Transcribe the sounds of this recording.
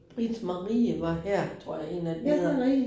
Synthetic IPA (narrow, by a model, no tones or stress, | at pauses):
b̥ʁid̥smɑʁiːəʋɑ̈hæɐ̰t͡sʰʁo̝̰ɐ̰jɑ̈e̝̰næd̥eʁi